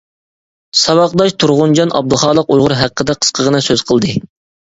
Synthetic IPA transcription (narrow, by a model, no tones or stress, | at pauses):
sɑwɑqd̪ɑʃt̪ʰuɾʁʊnd͡ʒɑnʔɑ̰b̚d̪ʊχɑːlˠəqujʁʊɾɦæq̚ːəd̪ɛqʰə̥sqʰəʁənɨsøz̥qʰəlˠd̪ɨ